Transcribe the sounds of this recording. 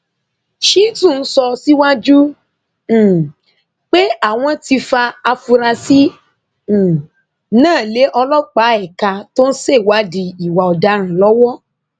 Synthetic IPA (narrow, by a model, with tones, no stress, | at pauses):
ʃi˦tũ˦˨n̩˦sɔ˧si˦wa˦d͡ʒũ˦˨ | k͡pe˦a˦˨w̃ɔ̃˧ti˧fa˧a˧fu˧ɾa˧sĩ˦˨ | nãː˦˨le˨˦ʔɔ˧lɔ˦k͡pa˨˦ɛ˨ka˧to˦n̩˦se˦˨wa˨˦di˧i˨wa˨ɔ˨da˧ɾ̃ã˨lɔ˦wɔ˦